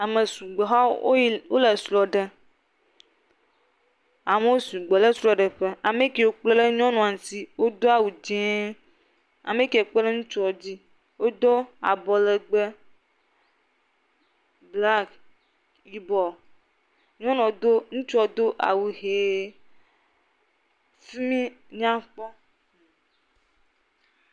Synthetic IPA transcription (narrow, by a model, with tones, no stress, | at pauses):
a˨mẽ˨su˨ɡ͡be˨ɦa˦o˦wo˦le˨slɔ˨ɖe˨ | a˨me˦wo˦su˨ɡ͡be˨le˦sɾɔ˨ɖe˨ɸe˦a˨me˦ke˨wo˦k͡ple˦le˦ɲɔ̃˦nɔ̃˨a˨ti˦wo˦d̪o˦a˦wu˨d͡ʒɛ̃˦ | a̰˨mẽ˦ke˨o˨k͡pe˦lɛ˦ŋũ˦t͡ʃɔ˦d͡ʑi˦ | wo˦d̪ɔ˦a̰˨bɔ˨le˨ɡ͡be˦ | bla˦k | i˦bɔ˨ | ɲɔ̃˦nɔ̃˨d̪o˦ŋũ˦t͡ʃɔ˦d̪o˦ʔa̰˨wu˨ɦe˨ | fi˦mĩ˦ | ɲã˦ɸɔ˦